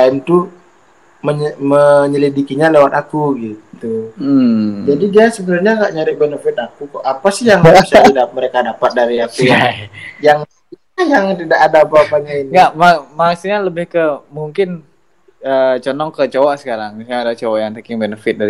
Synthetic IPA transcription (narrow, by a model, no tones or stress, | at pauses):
aint̪u | məɲməɲəlidikiɲalewat̪akuɡit̪u | d͡ʒadidiasəbənarɲaŋɡaʔɲaɾɪk̚benəfɪt̪akukʔapasɪhjaŋɡabisat̪idap̚məɾekadapat̪̚daɾiapiajjaŋ | ajaŋt̪idaʔadaːpaːpaɲainiɡaʔmamasuɲaləbɪhkəmuŋkɪn | ət͡ʃɔnɔŋkət͡ʃowaʔsə̥kaɾaŋisaɲadat͡ʃowaʔjaŋt̪əkɪŋbenəfɪt̪̚daɾi